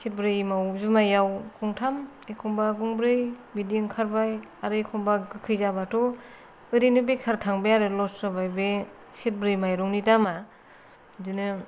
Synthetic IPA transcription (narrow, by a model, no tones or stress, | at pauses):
set̚bɾɯjmawzumajawkʰɔŋtʰam | ekʰɔŋbaɡuŋbɾɯjbidiŋkʰaɾbajaɾɯjkʰɔŋbaɡɯkʰɯjzabatʰɔ | ɯɾinɯbekʰaɾtʰaŋbejaɾɯlɔsɾɔbajbe | set̚bɾɯjmajɾɔŋnidama | dɯnɯ